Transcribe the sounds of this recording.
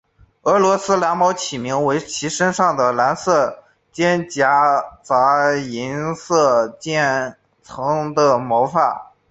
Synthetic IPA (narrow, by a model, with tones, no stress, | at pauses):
ɤ˧˥lwɔ˧˥sɹ̩˥la˧˥nmɑ˧˥ʊt͡ɕʰi˨˩mi˧˥ŋwe˧˥ɪt͡ɕʰi˧˥ʂə˥nʂɑ˥˩ŋd̪ə˩la˧˥nsɤ˥˩ | t͡ɕjɛ˥nt͡ɕja˧˥t͡sa˧˥i˧˥nsɤ˥˩t͡ɕjɛ˥˩n | t͡sʰɤ˧˥ŋd̪ə˧mo˧˥ʊfa˥˩